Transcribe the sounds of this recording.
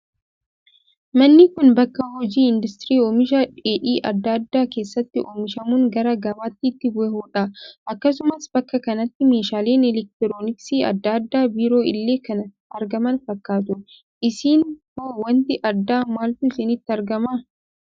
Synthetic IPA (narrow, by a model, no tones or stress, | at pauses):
mɐnːɪkʊnbɐkːɐhɔd͡ʒiːɪnd̪ʊst̪ɾiːoːmɪʃɐᶑeːᶑiːʔɐ̰d̪ːɐd̪ːaːke̞ːsːɐt̪ːɪʔoːmɪʃɐmuːŋɡɐɾɐɡɐbaːt̪ːɪːt̪ːɪbʊɛhoːᶑɐʔɐkːɐsʊmɐsbɐkːɐkɐnɐt̪ːɪmeːʃaːle̞ːnɛlɛk̚t̪ɪɾoːnɪksiːɐ̰d̪ːad̪ːaːbiːɾo̞ːɪlːe̞ːkɐnɐ | ɐɾɡɐmɐnfɐkːaːt̪ʊ | ʔɪsiːnhoːwɐnt̪ɪʔɐd̪ːaːmaːlt̪ʊɪsɪnɪt̪ːɪɐɾɡɐmaː